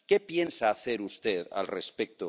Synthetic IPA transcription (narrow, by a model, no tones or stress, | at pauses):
kepje̞nsaːθe̞ɾust̪eða̰lrespek̚t̪o